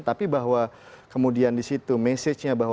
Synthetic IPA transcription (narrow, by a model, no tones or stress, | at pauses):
nt̪apibaɦwa | kəmudiandisit̪umɛsɪt͡ʃɲabaɦ